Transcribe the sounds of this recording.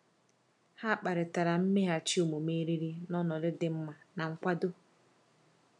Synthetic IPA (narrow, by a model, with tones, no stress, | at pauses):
ha˦˨k͡pa˨ɾɪ˨ta˨ɾa˨m̩˦me˦ɦa˦t͡ʃi˦o˨mo˨me˦ɾi˦ɾi˦nɔ˦nɔ˨ɾɪ˦dɪ˦m̩˦ma˨na˨ŋ̩˦kʷa˦do˦